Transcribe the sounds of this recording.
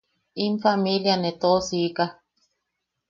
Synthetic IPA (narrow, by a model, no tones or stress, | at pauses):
imfamiljanet̪osika